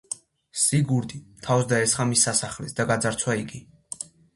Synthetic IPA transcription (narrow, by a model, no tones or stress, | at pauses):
siɡuɾd̪ʼit̪ʰawsd̪aɛsχamisːasaχlɛ̰sd̪aɡad̪zaɾt̪sʰwaiɡi